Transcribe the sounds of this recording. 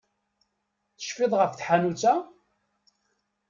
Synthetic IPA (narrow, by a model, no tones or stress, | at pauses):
θə̥ʃfɪðˤʁəfθħanut͡sːa